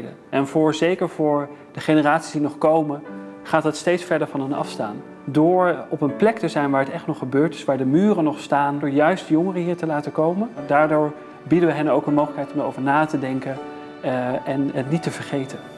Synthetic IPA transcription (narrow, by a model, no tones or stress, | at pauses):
də̰ | ʔɛnvʊːɹzejkəɹvʊːɹ | d̥əχenəraːtsi̥sdinɔχkowmənχaːtɦətstejtsfɛɹdəɹvɑnənɑ̰fsta̰ːn | dʊːɹɔpənplɛktəzɛjnʋaːɹətɛχtnɔχːəbøːɹtɪ̥sʋaːɹdəmyːrənɔχstaːndʊːɹjœɥstjɔŋərəɦiːɹtəlaːtəkowməndaːɹdʊːɹ | bidənʋəɦɛnowkənmowχləkɦɛjtɔmo̰wvəɹnaːtədɛŋkən | ɛnɦətnitəvəɹχejtən